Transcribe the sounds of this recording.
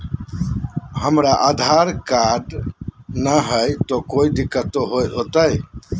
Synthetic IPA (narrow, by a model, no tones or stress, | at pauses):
həmɾaʔad̪ʱaɾkaɖ | nəɦəjt̪ɔkoid̪ikːət̪oɦojot̪əj